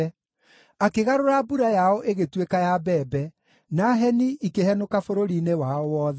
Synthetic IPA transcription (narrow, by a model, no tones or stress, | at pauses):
akeɣaɾoɾabuɾajaɔʔeɣetwekajabɛːbɛ | naɦɛniikehɛnokafoɾoɾinewaɔwɔːðɛ